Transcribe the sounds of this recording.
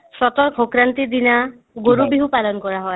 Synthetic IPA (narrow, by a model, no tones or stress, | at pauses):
sɔt̪ɔɾkʰokɾant̪id̪ina | ɡoɾubiɦupalɔnɔkɔɾaɦɔe